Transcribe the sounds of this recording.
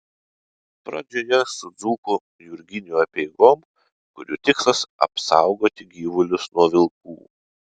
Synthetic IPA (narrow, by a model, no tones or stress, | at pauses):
pɾɐ̰d͡ʒʲoːjɛsʊd̪zuːku | jʊɾʲɡʲɪnʲuɐpʲɛɪɡoːm | kʊɾʲuːt̪ʲɪkslɐsɐ̰psɑˑʊɡoːt̪ʲɪɡʲiːʋʊlʲʊsnuɔʋʲɪlˠkṵː